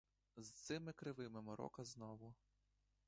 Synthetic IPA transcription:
zt̪sɪmɪkɾɪʋɪmɪmɔɾɔ̰kɐznɔʋʊ

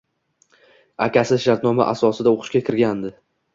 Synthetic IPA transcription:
a̰kʲʰasɪʃaɾt̪nɒma̰ʔasɒsɪd̪aoqʰɨ̥ʃkʲakʲʰɪɾɡʲand̪ɪ

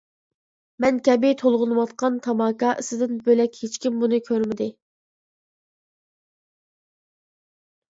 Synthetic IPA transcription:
mɛnkʲʰɛbɪt̪ʰolˠʁʊnɨwɑt̪̚qɑnt̪ʰɑmɑːkɑːʔɨsɨd̪ɪnbølɛkʲhet͡ʃkʲimbunɨkʲʰøɾmɪd̪ɪ

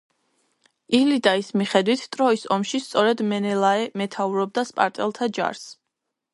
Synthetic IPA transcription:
ilid̪aismiχɛd̪wit̪ʰt̪ʼɾɔisɔmʃist̪sʼɔɾɛd̪mɛnɛlaɛmɛt̪ʰauɾɔb̚d̪aspʼa̰ɾt̪ʼɛlˠt̪ʰad͡ʒa̰ɾs

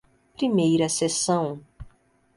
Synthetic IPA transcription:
pɾimejɾɐsesɐ̃w̃

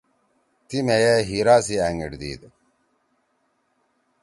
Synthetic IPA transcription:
t̪imejeɦiːɾaːs̬iæːŋɡḭɖd̪ḭːd̪

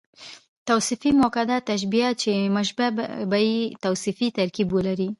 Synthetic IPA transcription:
t̪awsɪfimokad̪at̪aʃ̬biat͡ʃeməʃbabajit̪awsifit̪aɾkibolaɾi

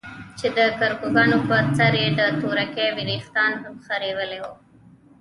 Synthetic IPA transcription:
t͡ʃed̪əkaɾkoɡɑnopəɾt͡saɾjed̪ət̪oɾakewɪɾixt̪ɑnɦamxaɾewəlewo

